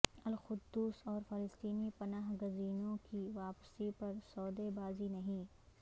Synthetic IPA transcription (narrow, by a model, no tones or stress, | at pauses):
ɐlxʊd̪ːuːsɔːɾfɪlɪst̪iːnipɐnaːɦɡʊziːnõkiʋaːpsipɐɾsɔːd̪ebaːzinɐɦĩ